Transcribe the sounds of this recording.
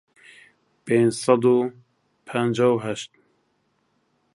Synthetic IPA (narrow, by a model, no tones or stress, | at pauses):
pend͡ʒsɑd̪uː | pʰɛnd͡ʒawɦɛʃt̪̚